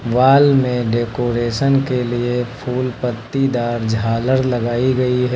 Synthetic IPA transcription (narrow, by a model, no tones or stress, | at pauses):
ʋaːlmẽɖeːkoːɾeːʃənkeliepʰuːlpət̪ːid̪aːɾd͡ʒʱaːləɾlɐɡaːiɡɐiɦɛ